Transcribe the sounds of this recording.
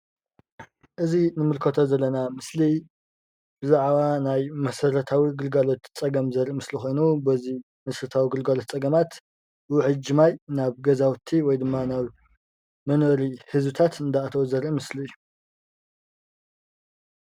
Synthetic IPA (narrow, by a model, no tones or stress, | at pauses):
ʔɨzinɨmɨlkʰɐt̪ʰo̞zɐlːɐnamɨsli | b̥ɨzaʕβanajmɐsɐɾɐt̪ʰawiɡɨlɡalo̞t̪t͡sʼɐɡɐmzɐɾʔimɨslixo̞jnubɐzi | mɐsɐɾɐt̪ʰawiɡɨlɡalot̪̚t͡sʼɐɡɐmat̪ | wħɨd͡ʒːɪmajnaβɡɐzawt̪ʰiwɔjd̪ɨmːanaβ | mɐnoɾihɨzbɨt̪ʰat̪ɨnd̪aat̪ʰɐwzɐɾʔimɨsliɨjːu